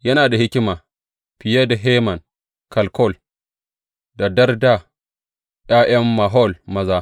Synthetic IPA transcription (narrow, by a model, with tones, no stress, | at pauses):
jɐ˦naː˨da˨hɪ˦kʲɪ˦maː˨ | pɪ˨je˦da˨ɦeː˦mɐ˨ŋ | kɐ˨lkɔ˦˨l | da˨dɐ˦rda˦ | ɗ̰aː˦ʔɐ˦mːa˨ɦɔ˦˨lmɐ˦zaː˦